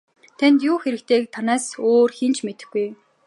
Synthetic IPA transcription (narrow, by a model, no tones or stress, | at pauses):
t̪ʰænt̪juːxeɾɘ̆k̚t̪ʰeːk̚t̪ʰanaːsoːrxint͡ɕʰmet̪ɘ̆xɡuj